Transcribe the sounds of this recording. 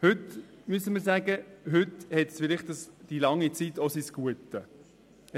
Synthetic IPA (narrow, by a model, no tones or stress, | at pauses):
hɵtmyəsəməɾsæːɡəɦʏt̪hɛtsfɪlɪχtd̥əsd̥ilɑŋːit͡sitosisɡ̥uətːə